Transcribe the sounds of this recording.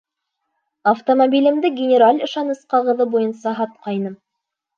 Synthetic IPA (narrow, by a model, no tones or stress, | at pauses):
ɐft̪omobʲilɘ̆md̪ɘɡʲɪnʲɪɾalʲɤ̆ʃɑnɤ̆sqɑʁɤ̆ðɤbujɤ̆nsɑɦɑt̪̚qɑjnɤm